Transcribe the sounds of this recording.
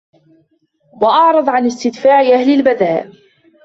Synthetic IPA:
wɑʔɑʕɾˤɑðˤʕanɪst̪ɪd̪faːʕʔahlɪlbaðaːʔ

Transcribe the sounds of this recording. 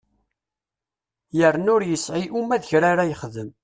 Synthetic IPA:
jərːnʊɾjəsʕiʔumæðçɾaɾajəχðəm

